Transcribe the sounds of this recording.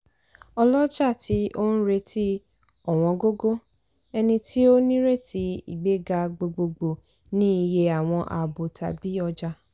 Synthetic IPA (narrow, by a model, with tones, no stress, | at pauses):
ɔ˧lɔ˦d͡ʒa˦˨tʰi˨˦ʔo˦n̩˦ɾe˧ti˦ | ɔ˦˨w̃ɔ̃˧ɡo˦ɡo˦ | ɛ˧nĩ˧tʰi˦o˦nĩ˦ɾe˦˨ti˨˦ḭ˦˨ɡ͡be˨˦ɡa˧ɡ͡bo˧ɡ͡bo˧ɡ͡bo˨ | nĩ˦i˧je˧a˨w̃ɔ̃˧ʔa̰˨bo˨tʰa̰˧bi˦ɔ˧d͡ʒa˧